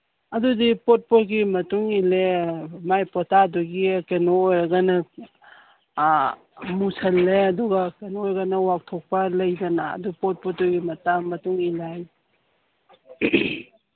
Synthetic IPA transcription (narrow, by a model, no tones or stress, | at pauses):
ɐdudipot̚potɡimɐtuŋilemajpɔtaduɡikenoːjɾɐɡɐnɐ | musʰɐlːeɐduɡɐkenojɾɡanɐwak̚tʰok̚pɐlɐjdɐna̰ːdupot̚pot̚tuɡimɐtaŋmɐtuŋilaj